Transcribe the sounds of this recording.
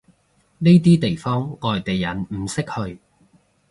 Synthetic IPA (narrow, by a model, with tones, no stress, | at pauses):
ne˥t̪̬iː˥t̪e˨jfɔː˥ŋŋɔː˨˩jt̪e˨jːɐ˨˥nm̩˨˩sɪ˥k̚hɵ˧ɥ